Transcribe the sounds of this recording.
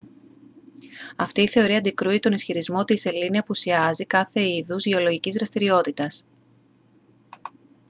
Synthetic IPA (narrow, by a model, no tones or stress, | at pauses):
ɐft̪iːθe̞o̞ɾiɐnd̪ikɾuit̪o̞nisçiɾizmo̞t̪ise̞liniɐpusiɐzikɐθe̞iðuzʝeo̞lo̞ʝicizðɾɐst̪iɾio̞t̪it̪ɐs